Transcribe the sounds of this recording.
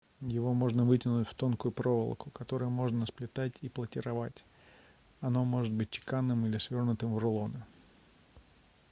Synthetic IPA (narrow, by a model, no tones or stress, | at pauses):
jɪvo̞mo̞ʐnəvɨtʲɪnʊtʲft̪o̞nkʊjʊpɾo̞və̰lˠkʊkɐt̪o̞ɾɨjʊmo̞ʐnəsplʲɪt̪atʲiplˠətʲɪɾɐvatʲ | ɐno̞mo̞ʐɨt̪̚bɨt̚ʲt͡ɕɪ̥kanːɨmilʲɪsvʲo̞rnʊt̪ɨmvrʊlˠo̞nɨ